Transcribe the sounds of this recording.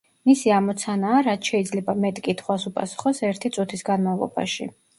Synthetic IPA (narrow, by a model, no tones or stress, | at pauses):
misiamɔt̪sʰanaːɾat̪ʰʃɛid̪zlɛbamɛt̪ʼkʼit̪ʰχwasupʼa̰su̥χɔsɛɾt̪ʰit̪sʼut̪ʰisɡanmavlˠɔ̰ba̰ʃḭ